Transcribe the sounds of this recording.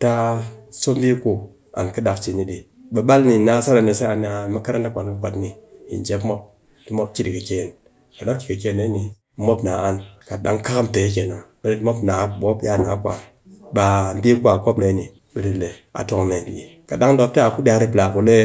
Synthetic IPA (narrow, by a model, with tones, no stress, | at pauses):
ta˦so˦mbi˦ku˦ | a̰˨nkə˦da˨kt͡ʃi˨ni˦di˨ | ɓə˨ɓa˦lni˨na˦sa˦na˨ne˨sa˦a˨n˦a˨ma˦ka˦ɾa˦na˦kʷa˨n˦kə˦kʷa˨tni˨jḭ˨nd͡ʒe˦pmo˦p̚ | ti˦mo˦p̚ki˦di˨kə˨ke˦˨n | ka˨ɗa˦ki˨kə˨ke˦˨ne˦ni˨˦ | mo˦pna˨a˦nka˨da̰˦ŋka˦ka˦mte˨˦k̬e˨na˨bə˨ɾi˦tmo˦pna˨˦ɓo˦pa˦na̰˨˦kʷa˨ | ɓa˨m˦bi˦kʷa˨ko˦pne˨˦ni˨ | ɓə˨ɾi˨le˨a̰˨to˨ŋne˨bḭ˨e˨ka˨da˦ŋdo˨p̚ta˨ku˦dʲa˨ɾi˦pla˨ku˨le˦